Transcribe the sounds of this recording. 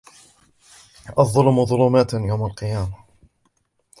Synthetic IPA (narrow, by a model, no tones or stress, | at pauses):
ʔɑfðˤɑlmʊðˤʊluːmaːt̪jawmalqɨjaːma